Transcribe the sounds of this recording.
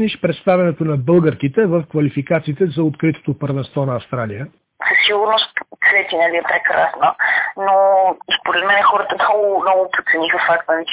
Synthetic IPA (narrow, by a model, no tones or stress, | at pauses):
niʃpɾɛt̪st̪avʲjɛnɛt̪onɐbɤlˠɡəɾkit̪ɛvəfkvɐlifikat̪siːt̪ɛzɐot̪kɾit̪o̥t̪opəɾvɛnst̪vɔnɐːfst̪ɾalijə | səsiɡʊɾnost̪t̪svɛt̪inɛliɛpɾɛkɾasnənospoɾɛt̪mɛnɛxɔɾət̪ənnɔɡonɔɡʊpot̪sɛnixəfakt̪nəvi